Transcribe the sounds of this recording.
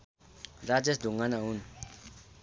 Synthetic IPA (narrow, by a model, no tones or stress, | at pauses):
ɾad͡ʒesd̪uŋɡanaɦun